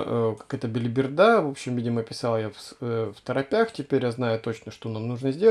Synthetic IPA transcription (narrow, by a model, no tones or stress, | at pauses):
əkḁkɛt̪əbʲɪlʲɪbʲɪrd̪avo̞pɕːɪmvʲidʲɪməpʲɪsalˠjafsft̪əɾɐpʲaxtʲɪpʲeɾʲjaznajʊt̪o̞t͡ɕnəʂt̪o̞namnuʐnəzʲdʲe